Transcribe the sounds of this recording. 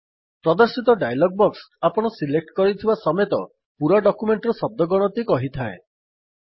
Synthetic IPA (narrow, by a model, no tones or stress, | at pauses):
pɾɔd̪ɔɾsit̪ɔɖajlɔɡ̚bɔks | apɔɽ̃ɔsilek̚ʈkɔɾit̪ʰibasɔmet̪ɔ | puɾaɖɔkumeɳʈɾɔsɔb̚d̪ʱɔɡɔɽ̃ɔt̪ikɔɦit̪ʰae